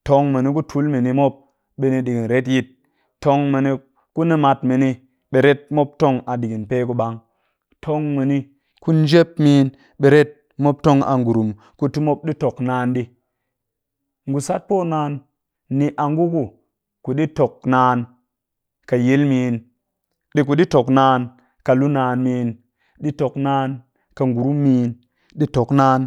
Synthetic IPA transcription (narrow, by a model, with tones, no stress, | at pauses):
to˧ŋme˨ni˦k̬u˦tʰu˨˦lmi˨ni˨mo˦p̚ | ɓe˨ni˨ɗi˨ɡi˨nɾe˦t̬ji˦t̚ | tːo˦ŋme˨ni˧ | ku˦ni˦ma˧tme˨ni˦ | ɓe˨ɾe˦t̚mo˦p̚to˦ŋa˨di˨ɡi˨npe˦ku˧ɓa˨ŋ | tʰo˦ŋme˨ni˦ | ku˦n˦d͡ʒe˦p̚miː˦n | ɓe˨ɾe˦t̚ | mo˦p̚to˦ŋa̰˨ŋɡu˨ɾu˨m | ku˨ti˦mo˦p̚ɗi˦to˨knaː˦nɗi˦ | ŋɡu˨sa˦t̚po˦˨naː˧˦nː | i˨ʔa˨ŋɡu˦ku˨ | ku˨ɗi˦to˨k̚naː˨˦n | ka˨je˦lmiː˨n | ɗi˦k̬u˨ɗi˦to˨knaː˦n | ka˨lu˦naː˨nmiː˨˦n | ɗi˦to˨knaː˦n | ka˨ŋɡu˨ɾu˦mːiː˨˦n | ɗi˦to˨knaː˦n